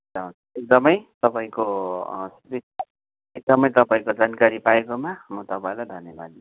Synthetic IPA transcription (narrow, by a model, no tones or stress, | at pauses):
d͡zaũ | ek̚d̪ʌmʌjt̪ʌpaĩkosi | ek̚d̪ʌmʌjt̪ʌpaĩkod͡zankaɾipaekomamʌt̪ʌpaĩlajd̪ʱʌnjebad̪i